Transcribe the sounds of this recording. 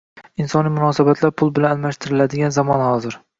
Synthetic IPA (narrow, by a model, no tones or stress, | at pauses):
ɪnsɒnijmʊnɒsabat̪ʰlaɾpʰʊlˠbɪlanalˠmaʃt̪ʰɪɾɪlad̪ɪɡʲanzamɒnhɒzɪɾ